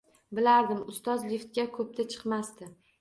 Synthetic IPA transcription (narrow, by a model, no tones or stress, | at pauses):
bɪlaɾd̪ɪmʊst̪ɒzlift̪̚ɡʲakʰɵp̚t̪ʰat͡ʃʰɨ̥qmast̪ɪ